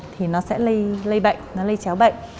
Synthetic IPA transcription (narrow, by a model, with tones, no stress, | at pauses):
t̪ʰi˨˩nɔ˨˦sɛ̰˧˥lə˧jlə˧jɓə̰˧˨ŋnɔ˨˦lə˧jt͡ɕaː˨˦wɓə̰˧˨ŋ